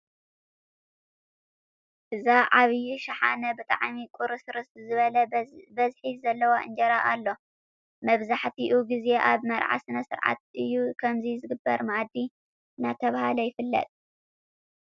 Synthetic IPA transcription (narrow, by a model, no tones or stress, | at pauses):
ʔɨzaʕaβjiʃɐħa̰nɐbɨt̪ʼa̰ʕmikʼʊɾɨsɨɾɨszɨβɐlɐbɐzħizɐlːɐwaʔɨ̰nd͡ʒɐɾaʔalːo̞ | mɐβzaħt̪ʰiʔuɡize̞ʔaβmɐɾʕa̰sɨnɐsɨɾʕa̰t̪̚ʔɨjːukʰɐmzizɨɡɨbːɐɾmaʔad̪i | nat̪ʰɐβahalɐjɪfɨlːɐ̰t̪ʼ